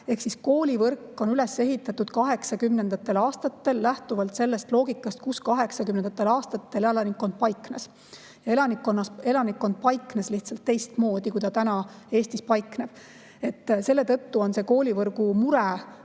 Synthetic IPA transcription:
e̞hksisko̞ːlʲivɤrkːˑo̞nyle̞sːe̞ɦit̪ːˑɑt̪ːud̪̥kɑɦe̞ksɑkymnend̪̥ɑt̪ːˑe̞lɑːst̪ɑt̪ːe̞lːæht̪uvɑlt̪se̞lːe̞st̪lo̞ːɡ̥ikːˑɑst̪̚kuskɑɦe̞ksɑkymnenɑt̪ːˑelɑːst̪ɑt̪ːe̞lelɑnikːˑo̞nd̪̥̚pɑjkːˑnes | jɑe̞lɑnikːˑo̞nːɑse̞lɑnikːˑo̞nd̪̥̚pɑjkːˑnesliht̪sɑlt̪ːe̞jst̪mo̞ːd̪̥ikujd̪ɑt̪ænɑe̞ːst̪ispɑjkˑneb̥ | e̞t̪ːse̞lːe̞t̪ɤt̪ːuo̞nse̞ko̞ːlʲivɤrɡ̥umuɾe

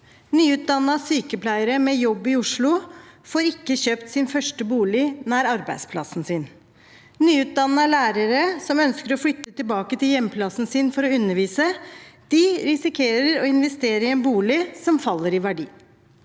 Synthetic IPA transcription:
nyːʉːt̪̚d̪ɑnːəɑsyːkəpʰlæɪəɾəmɛjɔbːɪʊʂɭʊfoːɾɪkːəçøːpt̪sɪnfœʂʈəbuːlɪnæːɾɑɾbæ̰ɪspʰlɑ̰sn̩sɪn | nyːʉːt̪̚d̪ɑnːəɑlæːɾəɾəsɔmœnskəɾɔflʏt̪ːət̪ɪlbɑːkət̪ʰɪljɛmːpʰlɑsn̩sɪnfɔɾɔʉnːəɾʋiːsəd̪̥ɪɾɪsɪkʰeːɾəɾɔɪnʋɛst̪eːɾəɾɪɛnbuːlɪsɔmfɑlːəɾɪʋæɖḭː

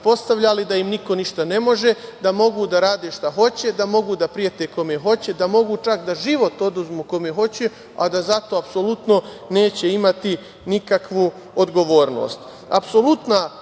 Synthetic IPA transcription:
po̞st̪aʋʎalid̪aimniko̞niʃt̪ane̞mo̞ʒe̞d̪amo̞ɡud̪aɾaːd̪eʃt̪aɦo̞t͡ɕe̞d̪amo̞ɡuːd̪apɾijet̪eko̞meɦo̞t͡ɕe̞d̪amo̞ɡut͡ʃakd̪aʒiʋo̞t̪o̞d̪uzmuko̞meɦo̞t͡ɕe | a̰d̪azat̪o̞apso̞lut̪no̞ne̞ːt͡ɕe̞imat̪i | nikakʋuː | od̪ɡo̞ʋo̞ːɾno̞̰ːst̪ | a̰pso̞lut̪na

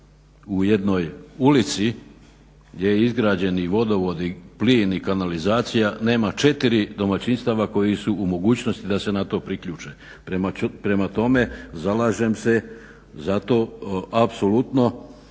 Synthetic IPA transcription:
uje̞d̪no̞julit̪si | ɡj̪ejeizɡɾaːd͡ʑe̞niʋo̞d̪o̞ʋo̞d̪ipliːnikanalizaːt̪sijane̞ːmat͡ʃe̞t̪iɾid̪o̞mat͡ɕinst̪aʋako̞jisuumo̞ɡuːt͡ɕno̞st̪id̪ase̞nat̪o̞ːpɾikʎuːt͡ʃe | pɾemapɾe̞mat̪o̞me̞zalaːʒemse̞ | zat̪o̞ːapsolut̪no̞

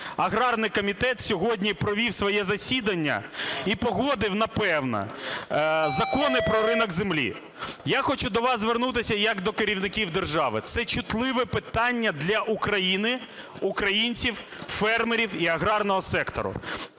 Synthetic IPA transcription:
ɐɦɾɑrnɪjkɔmʲit̪ɛt̪sʲɔɦɔdʲnʲipɾɔʋʲiwsʋɔjɛzɐsʲid̪ɐnʲːɐ̰ipɔɦɔd̪ɪwnɐpɛwnɐ̰ | zɐkɔnɪpɾɔɾɪnɔɡzemlʲḭ | jaxɔt͡ʃud̪ɔʋɑzzʋernut̪ɪsʲɐjɐkd̪ɔkeɾʲiwnɪkʲiwd̪erʒɑʋɪ̰t̪sɛt͡ʃʊt̪lˠɪʋɛpɪt̪ɑnʲːɐd̪lʲɐʔukɾɐjinɪ | ukɾɐjinʲt͡sʲiwfɛrmeɾʲiwiɐɦɾɑrnɔɦɔsɛkt̪ɔ̰ɾʊ̰

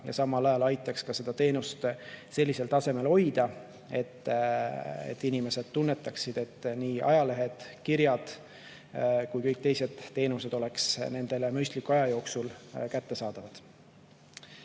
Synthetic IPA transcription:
jɑ̰sɑmːɑlɑjɑlɑjt̪ːˑɑkskɑse̞d̪̥ɑt̪e̞ːnust̪se̞lːise̞lt̪ɑse̞me̞lho̞jd̪̥ɑ | e̞t̪ː | ḛt̪ːˑinime̞se̞d̪̥̚t̪ːunːet̪ːˑɑksid̪̥e̞t̪ːˑniːʔɑjɑle̞ɦe̞d̪̥kirjɑd̪̥ | kujkɤjk̚t̪e̞jse̞d̪̥t̪ːe̞ːnuse̞d̪̥o̞le̞ksne̞nd̪̥e̞lemyjst̪likuɑjɑjo̞ːksulkæt̪ːe̞sɑːd̪̥ɑvɑd̪̥

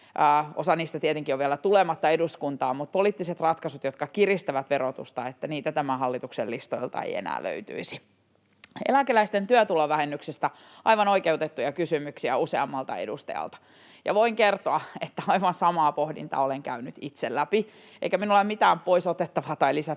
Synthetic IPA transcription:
əːosɑniːst̪æt̪iet̪eŋkioʋʋieælæt̪ulemɑt̪ːɑeduskunt̪ɑːmut̪̚poliːt̪ːiset̪rɑt̪kɑsut̪jot̪kɑkirist̪æʋæt̪ʋerot̪ṵst̪ɑet̪ːæniːt̪æt̪æmæhɑlːit̪ukselːist̪oilt̪ɑ̰ḛijḛnæ̰ːlø̰yt̪y̰isi̥ | ḛlækelæist̪ent̪yøt̪uloʋæhenːyksest̪æ | ɑiʋɑnoikeut̪et̪ːujɑkysymyksiæuseɑmːɑlt̪ɑ̰ḛdust̪ɑ̰jɑ̰lt̪ɑ̥ | jɑ̰ʋoiŋkert̪oɑet̪ːæɑiʋɑnsɑmɑːpohdḭnt̪ɑ̰ːoleŋkæynyt̪it̪sellæpi | ḛikæminulːemit̪æːmpoisot̪et̪ːɑʋɑt̪ɑilisæ

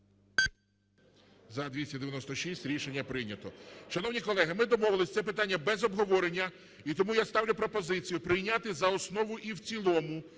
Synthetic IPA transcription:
zɐd̪ʋʲisʲtʲɐd̪eʋʲjɐnɔst̪ɔʃisʲtʲɾʲiʃenʲːɐpɾɪjnʲɐt̪ɔʃɐnɔwnʲikɔlˠɛɦɪmɪd̪ɔmɔʋɪlˠɪsʲt̪sɛpɪt̪anʲːɐbɛzɔbɦɔʋɔɾenʲːɐ | it̪ɔmujast̪ɑwlʲʊpɾɔpɔzɪt͡sʲijʊpɾɪjnʲat̪ɪzɐɔsnɔʋʊʔiwt͡sʲilˠɔmʊ

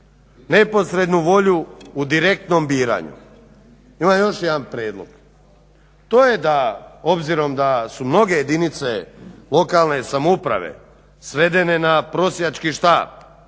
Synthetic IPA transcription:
ne̞po̞sɾe̞d̪nuʋo̞ʎuːd̪iɾe̞k̚t̪no̞mbiːɾa̰ɲṵ | imamjo̞ʃjed̪anpɾeːd̪lˠo̞̰ɡ̥ | t̪oːje̞d̪ao̞bziɾo̞md̪asumno̞ɡe̞je̞d̪init̪se̞lˠo̞kalne̞samupɾa̰ʋḛ | sʋe̞d̪e̞ne̞napɾo̞sjeat͡ʃkiʃt̪aːb̥̚

